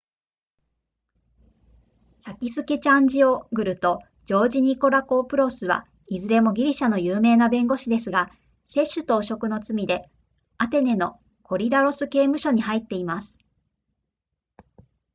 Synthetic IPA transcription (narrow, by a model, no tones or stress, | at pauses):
sakʲisɨke̞t͡ɕãɲ̟d͡ʑio̞ɡɯ̟ɾɯ̟t̪o̞ | d͡ʑo̞ːd͡ʑiɲ̟iko̞ɾako̞ːpɯ̟ɾo̞sɨβ̞a̰ | izɨɾe̞mo̞ɡʲiɾʲiɕano̞jɯːme̞ːnabẽ̞ŋɡo̞ɕid̪e̞sɨɡa | se̞ɕːɨt̪o̞ːɕo̞kɯ̟no̞t͡sɨmʲid̪e̞ | at̪e̞ne̞no̞ | ko̞ɾʲid̪aɾo̞sɨke̞ːmɯ̟ɕo̞ɲ̟ihait̪ːe̞imasɨ̥